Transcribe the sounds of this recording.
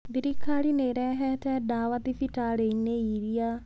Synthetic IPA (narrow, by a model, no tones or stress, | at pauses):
b̪iɾikʰːaːɽineɾɛɦɛtɛɖaːʋat̪ifiʈaːɽenːeiːɾija